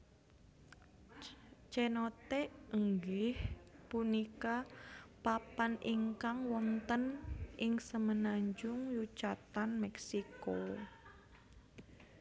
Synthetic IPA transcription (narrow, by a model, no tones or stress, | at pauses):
t͡ʃɛnot̪eəŋɡɪhpunikapapanʔiŋkaŋwɔnt̪ənʔɪŋsəmənaɲd͡ʒʊŋjut͡ʃat̪anmɛksiko